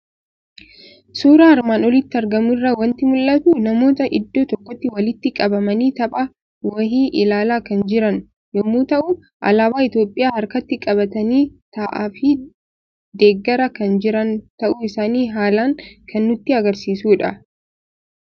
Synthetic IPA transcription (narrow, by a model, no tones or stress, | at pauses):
suːɾaɐɾmaːnɔlɪt̪ːɪɐɾɡɐmʊrːɐwɐnt̪ɪmʊlːɐt̪unɐmo̞ːt̪ɐʔɪd̪ːo̞ːt̪ɔkːɔt̪ːɪwɐlɪt̪ːɪkʼɐbɐmɐniːt̪ɐpʼɐ | wɐɦiːʔɪlaːlaːkɐnd͡ʒɪɾɐn | jɔmːuːt̪ɐʔu | ʔɐ̰laːbaːɪt̪jo̞ːpʼːɪjaːhɐɾkɐt̪ːɪkʼɐbɐt̪ɐniːt̪ɐʔaːfɪ | d̪eːɡːɐɾɐkɐnd͡ʒɪɾɐnt̪ɐʔʊɪsaːniːɦaːlaːŋkʰɐnːʊt̪ːɪɐɡɐɾsiːsuːᶑɐ